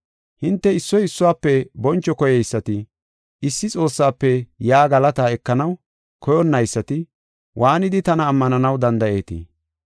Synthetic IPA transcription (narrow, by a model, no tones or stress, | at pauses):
hɪnt̪ːɛɪsːɔjɪsːʊwaːpːɛbɔnt͡ʃːɔkɔjɛjsːɐt̪ɪ | ɪsːɪt͡sʼo̞ːsːaːpːɛjaːɡɐlɐt̪aɛkːɐnɐw | kʰɔjɔnːɐjsːɐt̪ɪ | wʔaːnɪd̪ɪt̪ɐnɐːmːɐnɐnɐwd̪ɐnd̪ɐʔe̞ːt̪ɪ̰